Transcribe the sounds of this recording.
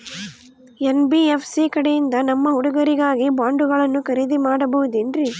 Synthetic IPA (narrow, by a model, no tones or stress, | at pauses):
enbiefʰsikɐɽejind̪ɐnɐmːɐɦuɽuɡɐɾiɡaːɡibaːɳɖuɣɐɭɐnːukɐɾid̪imaːɽɐbɐɦud̪inɾi